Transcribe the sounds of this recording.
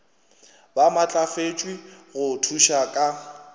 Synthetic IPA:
bamat͡ɬʼafet͡ʃʼwiɣʊtʰuʃakʼa

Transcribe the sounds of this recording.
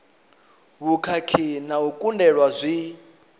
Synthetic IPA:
βukʰakʰinaukʼundɛɺwazʷi

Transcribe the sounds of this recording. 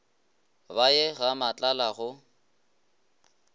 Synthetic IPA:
bajɛɣamat͡ɬʼalaɣʊ

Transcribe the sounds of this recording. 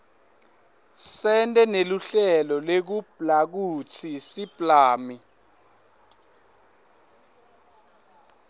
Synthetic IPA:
sɛntʼɛneluɬɛlɔlek̬ub̥ʱlak̬ut͡sʰisipʼlaːmi

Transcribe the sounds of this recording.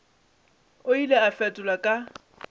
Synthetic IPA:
ʊileafɛtʼʊlakʼa

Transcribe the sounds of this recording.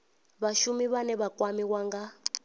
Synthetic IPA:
βaʃumiβanɛβakʼwamiwaŋɡa

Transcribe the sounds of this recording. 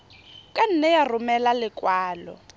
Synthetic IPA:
kʼan̩nɛjarʊmɛlalɪkʼwaːlɔ

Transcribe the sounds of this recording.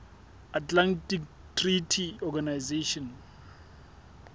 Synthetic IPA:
atʼlantʼik | tʰritʰiɔɡanajzeʃɔn

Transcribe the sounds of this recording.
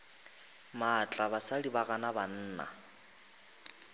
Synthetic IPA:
mat͡ɬʼaβasalibaɣanaban̩ːna̰

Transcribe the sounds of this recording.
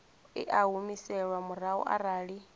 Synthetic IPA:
ḭʔaɦumisɛɺwamuraṵʔa̰ɾaːɺi

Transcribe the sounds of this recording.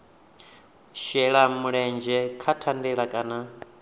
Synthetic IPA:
ʃɛɺamuɺɛnd͡ʒɛkʰatʰandiɺakʼana

